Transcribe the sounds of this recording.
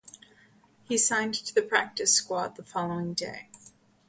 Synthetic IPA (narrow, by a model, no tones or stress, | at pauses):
hisãɪ̃ntʰɨðɨpʰɹ̥æk̚tɨskwɑðəfɑlˠoʊɪ̃ŋdḛɪ